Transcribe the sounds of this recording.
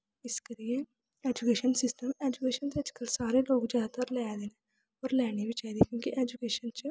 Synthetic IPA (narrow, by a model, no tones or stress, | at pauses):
ɪskɐɾije | eːd͡ʒukeːʃənsɪsʈəmeːd͡ʒukeːʃənt̪eɐd͡ʒkəlsaːɾeːloːkd͡ʒaːd̪at̪ɐɾlɛːd̪eːneː | oːɾlɛːnibit͡ʃaːiːd̪ikjõːkiʔeːd͡ʒukeːʃənt͡ʃ